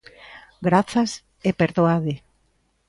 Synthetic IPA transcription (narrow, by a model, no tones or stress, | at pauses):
ɡɾaθas | epeɾðoaðe